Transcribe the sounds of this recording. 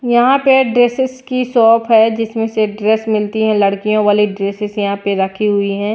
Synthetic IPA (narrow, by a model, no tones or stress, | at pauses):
jɐɦãpeɖɾeːsɪskisɔːpʰɦɛd͡ʒɪsmẽseɖɾɛːsmɪlt̪iɦɛ̃lɐɽkijõʋaːliɖɾeːsɪzjɐɦãpeɾɐkʰiɦʊiɦɛ̃ː